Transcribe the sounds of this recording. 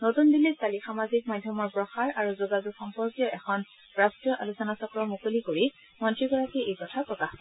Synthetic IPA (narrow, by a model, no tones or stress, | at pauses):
notundilːistalixamazik̚madʱjɔmɔɹpɹɔxaɹʔaɹuzoɡazukxɔmpɔɹkjɔʔɛxʰɔn | ɹastɹijɔʔa̰lusɔnasɔkɹɔmukolikoɹi | mɔntɹiɡɔɹakiejkɔtʰapɹɔkax